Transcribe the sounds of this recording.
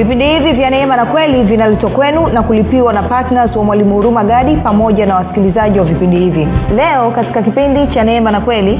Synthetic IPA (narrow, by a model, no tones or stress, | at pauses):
vipindihivivjanɛɛmanakwɛlivinalɛtwakwɛnunakulipiwanapatnazwamwalimuuɾumaɡaɗipamɔʄanawasi̥kilizaʄiwavipindihivilɛɔkati̥kakipindit͡ʃanɛɛmanakwɛli